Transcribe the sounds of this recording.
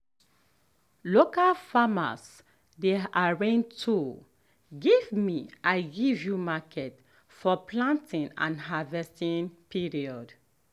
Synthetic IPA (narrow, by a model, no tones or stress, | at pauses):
lokalfama̰s | deaɹẽntʰu | ɡivmiʔaɪɡivjumakʰɛt | fɔpʰlãntʰĩnã̰nɦavɛstĩnpʰiɹiɔd